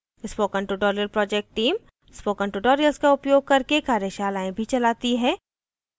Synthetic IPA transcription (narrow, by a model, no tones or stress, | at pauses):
ɪspoːkə̃ɳʈuʈɔːɾijəlpɾɔːd͡ʒɛk̚ʈːiːm | spoːkə̃ɳʈuʈoːɾijəlskaʊpjoːɡ̚kɐɾkekaːɾjeʃaːlaːẽbʱit͡ʃɐlaːt̪iɦɛ̃ː